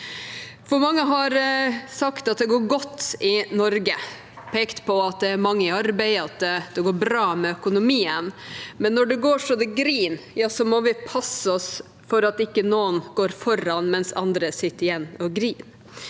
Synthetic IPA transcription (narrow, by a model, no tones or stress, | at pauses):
fɔɾmɑŋːəɦɑɾsɑkt̪ɑt̪̚d̪ɛɡoːɾɡɔt̪ːɪnɔɾɡə | pʰeːkt̪pʰɔɑt̪̚d̪ɛːɾmɑŋːəɪɑɾbæɪɑt̪̚ɛd̪̥ɛɡoːɾbɾɑːmɛœkʊnʊmiːənmɛnːɔɖɛɡoːʂɔd̪ɛɡɾiːnjɑːsɔmɔʋɪpʰɑsːəɔs | fɔɾɑt̪ɪkːənoːənɡoːɾfɔɾːɑnmɛnsɑ̰nd̪ɾəsɪt̪ːəɪjɛnːɔɡɾiːn